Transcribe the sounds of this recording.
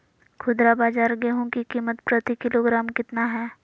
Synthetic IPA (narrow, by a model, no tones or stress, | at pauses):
kʰʊd̪ɾabaːd͡ʒaːɾɡeːɦõkikiːmət̪pɾət̪ikɪloɡɾaːmkɪt̪naɦɛː